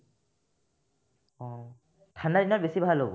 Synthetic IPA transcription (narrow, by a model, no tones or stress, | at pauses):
ɔ | tʰanadinabesibʱaɦalobɔ̰